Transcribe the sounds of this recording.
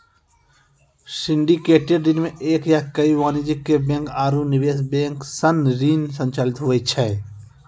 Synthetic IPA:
sɪ̃ɳɖikeːʈeɾd̪ɪnmẽʔeːkjakəiʋaːnɪd͡ʒɪkːebẽːŋkaːɾunɪʋeːsbẽːŋksənɾiːnsə̃nt͡ʃaːlɪt̪ɦoʋɛt͡ʃʰɛː

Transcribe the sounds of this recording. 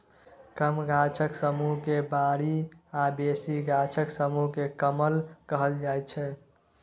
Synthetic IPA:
kəmɡat͡ʃʰəksəmuɦkebaɾiabesiɡat͡ʃʰəksəmuɦkekəməlkəɦəld͡ʒajt̪t͡ʃʰɛ

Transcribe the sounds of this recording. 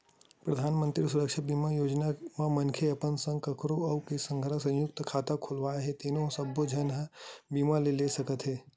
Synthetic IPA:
pɾɐd̪ʱaːnmə̃nt̪ɾisuɾəkʃabimajoːd͡ʒnamãmɐnkʰeɐpənsə̃ŋɡkəkɾoɐʋkesə̃ŋɡʱəɾasɐ̃jjʊk̚t̪kʰaːt̪akʰolʋaːɦet̪eːnõsɐbːod͡ʒʱɐnɦəbiːmalelesɐkət̪ɦeː

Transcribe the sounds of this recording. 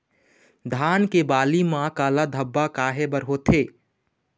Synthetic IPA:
d̪ʱaːnkebaːlimãkaːlad̪ʱəbːakaːɦebəɾɦot̪ʰeː

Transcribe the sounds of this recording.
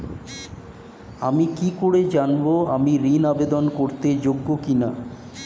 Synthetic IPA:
amikikoɽed͡ʑanboamiɾinabed̪onkoɾt̪ed͡ʑoɡːokina

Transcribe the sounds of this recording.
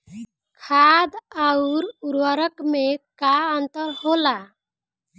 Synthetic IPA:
kʰad̪auɾuɾwəɾəkmekaənt̪əɾhola

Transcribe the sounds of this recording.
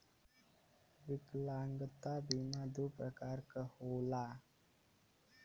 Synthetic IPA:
ʋɪklaŋɡət̪abimad̪upɾəkaːɾkəhoːlaː

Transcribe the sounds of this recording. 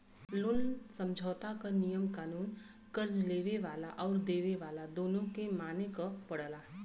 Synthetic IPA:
lʊnsə̃md͡ʒʱɔːt̪akanijəmkaːnuːn | kəɾd͡ʒleːʋeʋaːlaʔɔːɾd̪eːʋeʋaːlad̪oːnõkemaːnekapəɽəlaː

